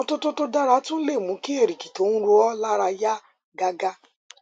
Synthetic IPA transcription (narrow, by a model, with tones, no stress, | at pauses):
o˧to˦to˦to˦da˦ɾa˧˦tũ˦le˦˨mũ˨˧˦ki˦e˦˨ɾi˨ki̥˨to˨˦nũ˦ɾo˧ɔ˦la˦ɾa˧ja˦ | ɡa˧ɡa˦